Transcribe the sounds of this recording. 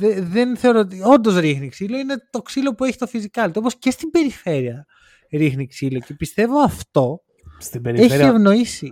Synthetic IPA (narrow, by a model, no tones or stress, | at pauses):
ðeðenθe̞o̞ɾoot̪io̞nd̪o̞zɾixniksilo̞ine̞t̪o̞ksilo̞pue̞çi̥t̪ofizikɐlt̪ooposce̞st̪ibe̞ɾife̞ɾiɐ | ɾixniksilo̞ce̞pist̪e̞vo̞ɐft̪o̞ | st̪ibeɾeçievno̞isi